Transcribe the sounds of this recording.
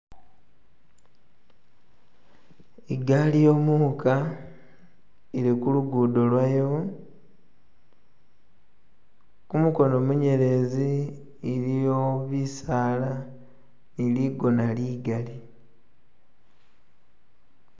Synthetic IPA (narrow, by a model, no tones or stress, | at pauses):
iɡalijo̞muːka | iɾikuluɡuːdo̞lwajo | kumuko̞no̞muɲe̞ɾe̞ziː | ɾijoβisaːla | iliɡo̞naliɡali